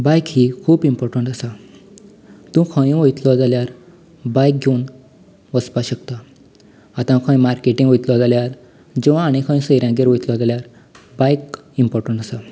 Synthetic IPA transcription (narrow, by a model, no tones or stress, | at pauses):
bajkɦikʰuːbimpɔɾʈəɳʈəsa | t̪ũkʰə̃jʋojt̪lɔd͡zaljaɾ | bajk̚ɡʱewun | ʋəspaɕək̚t̪a | at̪ãkʰə̃j̃maɾkeʈĩŋɡʋojt̪lɔd͡zaljaɾ | d͡ʑɛʋãːɽ̃ikʰə̃j̃səjɾjãɡeɾʋojt̪lɔd͡zaljaɾ | bajk | impɔɾʈəɳʈəsa